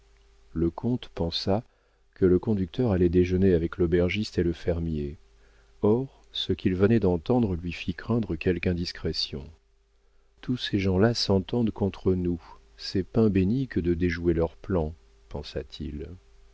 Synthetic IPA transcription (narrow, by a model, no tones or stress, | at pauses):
ləkʰɔ̃t̪pɑ̃sa | kələkɔ̃d̪yk̚t̪ʰœʁalɛd̪eʒəneavɛklɔbɛʁʒist̪eləfɛʁmje | ɔʁ | səkʲilvənɛd̪ɑ̃t̪ɑ̃d̪ʁəlɥifikχɛ̃d̪ʁəkʲɛlkɛ̃d̪iskχɛsjɔ̰̃ | t̪useʒɑ̃lasɑ̃t̪ɑ̃d̪kɔ̃t̪χənu | sɛpɛ̃benikəd̪əd̪eʒuelœʁplɑ̃ | pɑ̃sat̪ʰil